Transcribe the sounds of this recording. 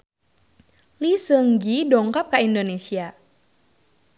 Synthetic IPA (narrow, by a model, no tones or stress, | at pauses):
lisəŋɡidɔŋkap̚kaindonesia